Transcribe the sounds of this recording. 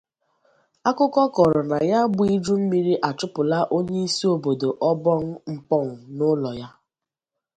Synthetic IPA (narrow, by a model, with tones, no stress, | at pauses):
a˦kʊ˦kɔ˦kɔ˨ɾɔ˨na˨ja˦bʊ˦i˦d͡ʒu˦m̩˦mi˦ɾi˦ʔa˨t͡ʃʊ˦pʊ˨la˦ʔo˦ɲe˦i˦si˦o˨bo˨do˨ʔɔ˦bɔ˦ŋ̩˦ŋ͡m̩˦k͡pɔ˦ŋ̩˨nʊ˦lɔ˨ja˦